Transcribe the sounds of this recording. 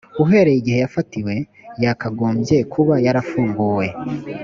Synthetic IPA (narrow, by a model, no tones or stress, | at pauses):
uɦe̞ɾejiɡihe̞jafatiwe̞ | jakaɡoːmbje̞kʰuβajaɾafuːŋɡuːwe̞